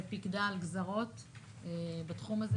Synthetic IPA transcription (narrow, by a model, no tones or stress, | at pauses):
pikdalɡzaʁo̞t | ebatχumaz